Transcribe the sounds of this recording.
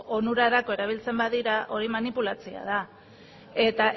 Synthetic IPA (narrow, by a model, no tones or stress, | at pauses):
onuɾaɾako̞e̞ɾaβ̞ilt͡se̞mbaðiɾaʔo̞ɾimanipulat͡sia̰ð̞a | e̞t̪aʔ